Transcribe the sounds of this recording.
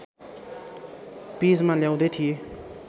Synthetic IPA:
pid͡zmaljaw̃d̪ʌt̪ʰije

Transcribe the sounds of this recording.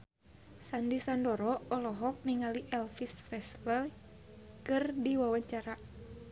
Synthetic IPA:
sandisandɔɾɔɔlɔɦɔk̚niŋaliʔɛlfisfrɛslə | kɨrdiwawaɲt͡ʃaɾa

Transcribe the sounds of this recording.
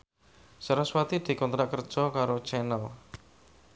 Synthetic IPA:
səɾaswat̪id̪̥i̤kɔnt̪ɾakərd̥ʒ̥ɔkaɾot͡ʃɛnəl

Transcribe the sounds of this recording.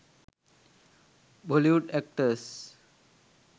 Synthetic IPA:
bʱoliuʈɛk̚ʈəs

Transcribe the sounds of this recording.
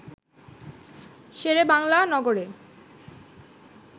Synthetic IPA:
ʃeɾebaŋlanɔɡoɾe

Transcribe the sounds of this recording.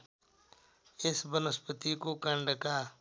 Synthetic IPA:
ɪsbənəspət̪ikokəɳɖkaː

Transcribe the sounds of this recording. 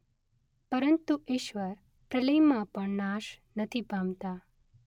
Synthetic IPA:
pəɾənt̪uʔiːʃʋəɾ | pɾələjmãpəɳnaʃnət̪ʰibʱãmt̪a

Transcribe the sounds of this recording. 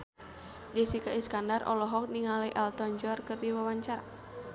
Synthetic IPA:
disikaiskandarʔɔ̰lɔɦɔk̚niŋalɛʔalt̪ɔɲd͡ʒɔrkərdiwawaɲt͡ʃaɾa

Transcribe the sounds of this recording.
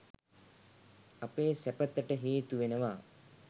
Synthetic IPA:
apeːsæpət̪ːəʈəɦeːt̪uʋenəʋaː

